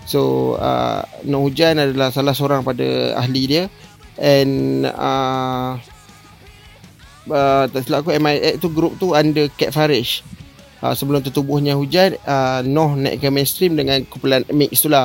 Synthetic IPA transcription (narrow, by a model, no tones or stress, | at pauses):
soə̰nɔ̃ʔhud͡ʒanadalahsalahsoɾaŋpadə̰a̰ɦlidiəɛnə̰ | ət̪asilakuɛmaɛʔt̪uɡɾup̚t̪uandəkɛt̪̚faɾɪʃ | ə̰səbəlʊmt̪ut̪ubʊhɲaɦud͡ʒanəːɔhnã̰ʔkəmẽnst̪ɾimdəŋãnkupulanmik̚st̪ulah